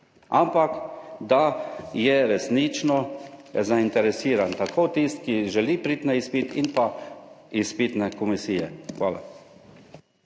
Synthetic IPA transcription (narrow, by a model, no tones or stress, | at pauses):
ampakd̪ajɛɾɛsnit͡ʃnɔzaint̪ɛɾɛsiːɾant̪akʰoːt̪ist̪kiʒɛliːpɾit̪nɛispit̪ḭnpa | ispit̪nɛkɔmisiːjɛ̰xʋaːla̰